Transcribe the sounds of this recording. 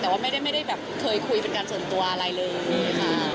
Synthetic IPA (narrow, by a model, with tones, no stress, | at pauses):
t̪ɛː˨˩waː˥ma˥˩jɾa˥˩jma˥˩jda˥˩jbɛː˨˩p̚kʰɤː˧jkʰu˧jpe˧nkaː˧nsu˨˩ənt̪u˧ɐʔa˧ɾa˧jlɤː˧joː˧˩maː˧˩